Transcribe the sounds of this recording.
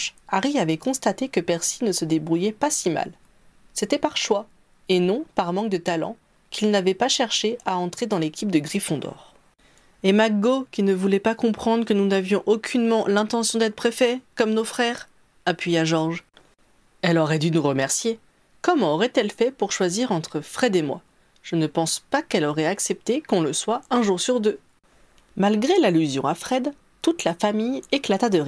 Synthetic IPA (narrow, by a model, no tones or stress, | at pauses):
aʁiavɛkɔ̃st̪at̪ekəpɛʁsinəsəd̪ebʁujɛpasima̰l | set̪ɛpaʁʃwa | enɔ̃paʁmɑ̃k̚d̪ət̪alɑ̰̃ | kʲilnavɛpaʃɛʁʃeaɑ̃t̪χed̪ɑ̃lekʲip̚d̪əɡʁifɔ̃d̪ɔ̰ːʁ | emaɡokʲinəvulɛpakɔ̃pχɑ̃d̪ʁəkənunavjɔ̃ʔokʲʰynmɑ̃lɛ̃t̪ɑ̃sjɔ̃d̪ɛt̪χpχefɛkɔmnofχɛʁ | apɥijaʒɔʁʒ | ɛlɔʁɛd̪ynuʁəmɛʁsje | kɔmɑ̃ɔʁɛt̪ɛlfɛpuʁʃwaziʁɑ̃t̪χəfχɛd̪emwa̰ | ʒ̥ənəpɑ̃spakɛlɔʁɛaksɛp̚t̪ekɔ̃ləswaɛ̃ʒuʁsyʁd̪ø | malɡʁelalyzjɔ̰̃afχɛd̪ | t̪ut̪lafamijeklat̪ad̪əʁi